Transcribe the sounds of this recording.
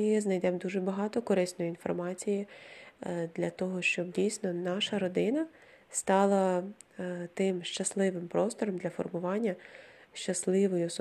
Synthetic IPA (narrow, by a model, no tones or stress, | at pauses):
ɪznɐjd̪ɛmd̪uʒɛbɐɦɑt̪ɔkɔɾɪsnɔjʊinfɔ̰rmɑt͡sʲiji | d̪lʲɐt̪ɔɦɔʃt͡ʃɔbdʲijsʲnɔnɑʃɐɾɔd̪ɪnɐ | st̪ɑlˠɐ | t̪ɪmʃt͡ʃɐslˠɪʋɪmpɾɔst̪ɔɾɔmd̪lʲɐfɔ̰rmʊʋɑnʲːɐʃt͡ʃɐslˠɪʋɔjʊs